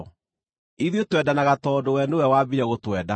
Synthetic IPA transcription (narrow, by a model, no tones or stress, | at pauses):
iðjotwɛdanaɣatɔdowɛnowɛwabiɾɛɣotwɛːda